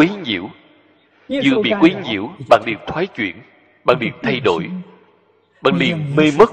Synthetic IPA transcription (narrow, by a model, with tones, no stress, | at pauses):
wi˨˦ɲḭ˧˨˥əw | zɨ̰˧˨əɓḭ˧˨kwi˨˦ɲḭ˧˨əwɓa̰ː˧˨nɗḭ˨˩əw̚t̪ʰwaː˨˦jt͡ɕwḭ˧˨ən | ɓa̰ː˧˨ŋɗḭ˧˨˩əw̚t̪ʰa˧jɗo˧˩j | ɓa̰ː˧˨˩nɗḭ˧˩əme˧mə˦˥k̚